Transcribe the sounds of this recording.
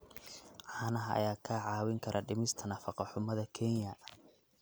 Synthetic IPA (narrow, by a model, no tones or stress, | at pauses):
ʕɑːnɐɦɐʔɐ̰jaːkʰɐʕɑːwɪŋkʰɐɾʔɐɖɪmɪst̪ʰɐnɐfɑqɑħʊmɐðɐkʰɛnjɐ